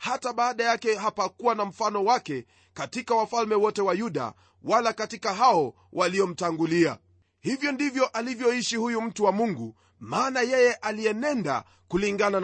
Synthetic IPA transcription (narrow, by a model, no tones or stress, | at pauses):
hataɓaːɗajakɛɦapakuwanam̩fanɔwakɛ | katikawafalmɛwɔtɛwajuɗa̰ | walakatikaɦaɔ | wʔaliɔm̩taŋɡulia̰ | hivjɔndivjɔʔalivjɔiʃihujum̩tuwamuŋɡu | maːnajɛjɛʔaliɛnɛnda̰ | kuliŋɡanan